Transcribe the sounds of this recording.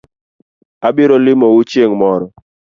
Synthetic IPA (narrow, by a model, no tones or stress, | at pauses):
abɪɾɔlɪmɔwut͡ʃjeŋmɔɾɔ